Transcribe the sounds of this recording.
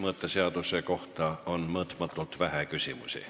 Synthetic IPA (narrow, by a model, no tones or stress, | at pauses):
mɤːt̪ːˑeseɑd̪̥useko̞ht̪ɑo̞nmɤːt̪ˑmɑt̪ːˑult̪væɦækysʲimṵsʲḭ